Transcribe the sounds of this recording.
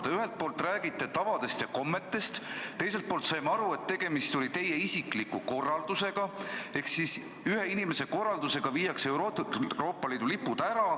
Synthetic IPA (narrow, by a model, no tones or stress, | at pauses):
d̪̥eyɦe̞lt̪̚po̞ːlt̪ːˑræːɡ̥it̪ːˑe̞t̪ɑvɑd̪e̞st̪jɑko̞mːe̞t̪ːˑe̞st̪t̪ːe̞js̬e̞lt̪̚poːlt̪sɑjmɑɑɾue̞t̪ːe̞ɡ̥e̞mist̪o̞lit̪e̞je̞isiklikuko̞rːɑld̪̥use̞ɡ̥ɑe̞hksis | yɦe̞inime̞se̞ko̞rːɑld̪use̞ɡ̥ɑviːjɑkse̞uɾoɾo̞ːpˑːɑliːd̪̥ulipːud̪̥æɾɑ